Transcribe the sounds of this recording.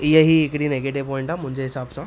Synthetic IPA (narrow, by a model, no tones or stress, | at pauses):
ijəɦiːekɽiːneɡeʈiʋpɔiɳʈam̤ũɲd͡ʑeɦisabsã